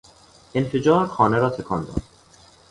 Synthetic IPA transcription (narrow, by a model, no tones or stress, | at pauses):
enfe̞d͡ʒɒːɾxɒːneɾɒːt̪ʰekʰɒːnd̪ɒ̰ːd̪̥